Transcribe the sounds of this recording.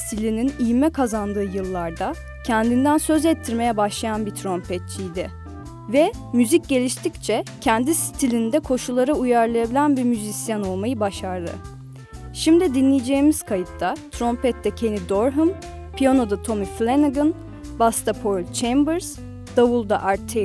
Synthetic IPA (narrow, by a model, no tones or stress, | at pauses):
st̪ʰilʲininijmɛkʰazand̪ɯːjɯlˠːaɾd̪a | cʰɛnd̪ind̪ænsø̞zɛt̪ʰːiɾme̞jɛbaʃlˠajanbit̪ʰɾo̞mpʰɛt̪̚t͡ʃʰijd̪ɪ | vɛmyzic̚ɟe̞lʲiʃt̪ʰict͡ʃʰɛcʰɛnd̪ist̪ʰilʲind̪ɛkʰo̞ʃulˠːaɾɯujaɾlˠajabilʲænbiɾmyzisjano̞lˠmajɯbaʃaɾd̪ˠɯ̰ | ʃimd̪id̪inlːʲijed͡ʒeimiz̥kʰajɯt̪ːat̪ʰɾo̞mpɛt̪ʰːɛcʰe̞nid̪o̞ɾɦɯm | pʰijano̞d̪at̪ʰo̞miflʲenaɡɯn | bast̪ʰapʰoɾlʲt͡ʃʰejmbɯɾz̥ | d̪̥avulˠd̪aʔaɾt̪ʰːe